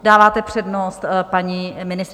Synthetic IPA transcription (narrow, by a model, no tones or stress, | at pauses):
daːvaːt̪ɛpr̝̥ɛdnost̪paɲimɪnɪst